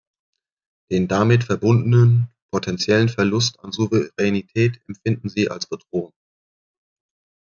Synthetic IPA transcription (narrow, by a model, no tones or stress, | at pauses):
d̥eːndamɪtfɛɐbʊndən̩ənpʰotʰɛnt͡sjɛlənfɛɐlʊsta̰nzuvəʁɛnitʰɛːtɛmfɪndn̩ziːʔa̰lsb̥ədʁoːŋ